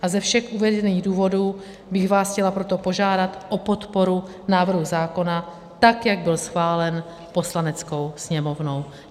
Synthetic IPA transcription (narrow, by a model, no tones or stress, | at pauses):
ʔazɛfʃɛxʔuvɛdɛniːɣduːvo̞duː | bɪɣvaːsxcɛlapɾo̞t̪o̞po̞ʒaːdat̪ʔopo̞t̪po̞ɾu | naːvr̩ɦuzaːko̞na | t̪akjaɡ̚bɪlsxvaːlɛn | po̞slanɛt͡sko̞wsɲɛmo̞vnow